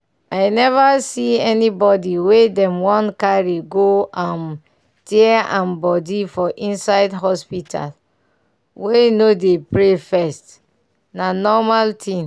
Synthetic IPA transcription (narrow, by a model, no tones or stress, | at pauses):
ajnɛvasiɛnibɔdiwedɛ̃mwɔ̃ntkaɹiɡoãn | tiɛãnbɔdifɔʔĩnsaɪdɦɔspitʰa̰l | wenodepɹefɛst | nanɔmaltʰĩn